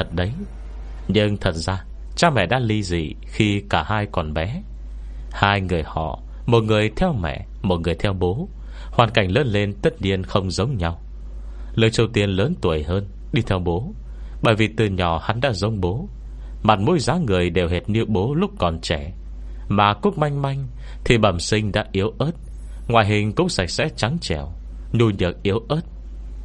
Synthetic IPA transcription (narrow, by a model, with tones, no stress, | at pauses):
ə˨˩t̚ɗə˨˦j | ɲɨ˧ŋt̪ʰə˨˩t̚zaː˧ | t͡ɕaː˧mɛ̰˧˨ɗa̰ː˧˥li˧zḭ˧˨ | xi˧kaː˧˩haː˧jkɔ˨˩nɓɛ˨˦ | haː˧jŋɨ˨˩əjhɔ̰˧˨ | mo˨˩t̚ŋɨ˨˩əjt̪ʰɛ˧wmɛ̰˧˨ | mo˨˩t̚ŋɨ˨˩əjt̪ʰɛ˧wɓo˨˦ | hwaː˨˩nka˨˩jŋ̟ləː˨˦nle˧nt̪ə˦˥t̚ɲi˧ənxə˧wŋ͡mzə˨˦wŋ͡mɲa˧w | ləː˨˩jt͡ɕi˧wt̪i˧ənləː˨˦nt̪u˨˩əjhəː˧n | ɗi˧t̪ʰɛ˧wɓo˨˦ | ɓə̰ː˧˨˩jvi˨˩t̪ɨ˨˩ɲɔ˨˩ha˨˦nɗa̰ː˧˥zə˨˦wŋ͡mɓo˨˦ | ma˨˩t̚mo˧˥jzaː˨˦ŋɨ˨˩əjɗe˨˩wɦe˨˩t̚ɲɨ˧ɓo˨˦lʊ˦˥k͡p̚kɔ˨˩nt͡ɕɛ˧˩˨ | maː˨˩ku˦˥ək̚ma˧jŋ̟ma˧jŋ̟ | t̪ʰi˨˩ɓaː˧˨˩msï˧ŋ̟ɗa̰ː˧˥ʔi˨˦əwʔəː˦˥t̚ | ŋwaː˨jɦï˨˩ŋ̟kʊ̰˧˥ŋ͡msa˧˩k̚sɛ̰˧˥t͡ɕa˨˦ŋt͡ɕɛ˧˩˨w | ɲu˧ɲɨ˨˩ək̚ʔi˨˦əwʔəː˦˥t̚